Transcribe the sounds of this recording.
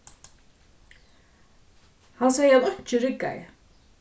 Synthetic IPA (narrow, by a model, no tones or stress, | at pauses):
hansɛːjəaðœɲ̥t͡ʃɪɾɪkːa̰jɪ̰